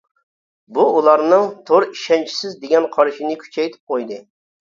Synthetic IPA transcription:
buulˠɑɾnɨŋt̪ʰoɾiʃɛnt͡ʃʰi̥sɪzd̪eɡʲɛnqʰɑɾʃinɨkʲʰy̥t͡ʃʰɛjt̪ʰɪ̥p̚qʰojd̪ɨ

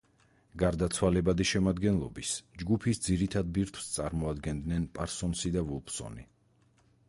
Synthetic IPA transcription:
ɡaɾd̪at̪sʰwalɛbad̪iʃɛmad̪ɡɛnlˠɔbisd͡ʒɡupʰisd̪ziɾit̪ʰad̪̚biɾt̪ʰw̥st̪sʼaɾmɔad̪ɡɛnd̪nɛnpʼaɾsɔnsid̪avulˠpsɔ̰ni

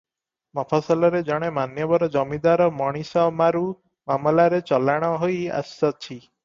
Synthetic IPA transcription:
mɔpʰasɔlɔɾed͡ʒɔɽ̃emanjɔbɔɾɔd͡ʒɔmid̪aɾɔmɔɽ̃isɔmaɾu | mamɔlaɾet͡ʃɔlaɽ̃ɔɦoja̰sɔt͡ʃʰi

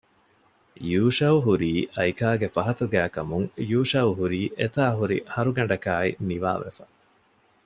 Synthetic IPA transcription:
juːʃɐuɦuɾiːʔɐjkaːɡefɐɦɐt̪uɡæːkɐmuŋjuːʃɐwuɦuɾiːʔet̪aːɦuɾḭhɐɾuɡɐɳ̆ɖɐkaːiniʋa̰ːʋḛfɐ

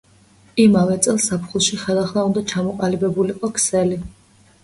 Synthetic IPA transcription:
imavɛt̪sʼɛlˠsapʰχulˠʃiχɛlˠaχlˠaund̪at͡ʃʰamɔqʼalibɛbuliqʼɔkʰsɛli

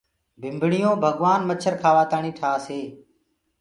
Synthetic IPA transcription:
bʱɪmbɳɪjõːbʱəɠʋaːnmət͡ʃʰəɾkʰaːʋaːt̪aːɳiːʈʰaːseː

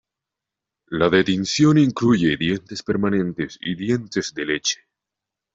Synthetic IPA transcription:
laðet̪insjo̞niŋkluʝeðje̞nt̪e̞speɾmanẽ̞nt̪esḭðje̞nt̪ezðele̞t͡ʃe̥

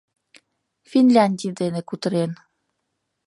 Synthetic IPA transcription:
finlʲanʲd̪ʲid̪enekut̪əɾen

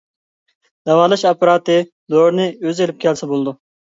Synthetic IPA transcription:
d̪̥ɑwɑːlˠɑʃɑpɑɾɑːt̪ɨ | d̪oɾnɨøzelɪp̚kʲʰɛlsɛbolˠd̪u

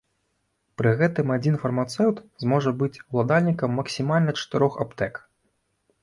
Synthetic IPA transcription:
pɾɨɣɛt̪ɨmad͡zʲinfɐrmat̪sɛwt̪zmɔʐɐbɨt͡sʲwlˠad̪alʲnʲikɐmːɐksʲimalʲnɐt͡ʂɐ̥t̪ɨɾɔxa̰pt̪ɛk

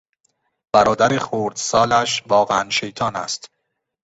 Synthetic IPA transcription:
b̥æɾɒːd̪æɾexoːɾd̪sɒːlæʃvɒːɣeænʃe̞jt̪ʰɒːnæ̰st̪

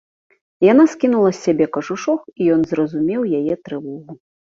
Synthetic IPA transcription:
jan̪askʲinulˠɐsʲːabʲɛkɐʐuʂɔxijɔnzɾɐzumʲɛwjajɛt̪ɾɨvɔɣu

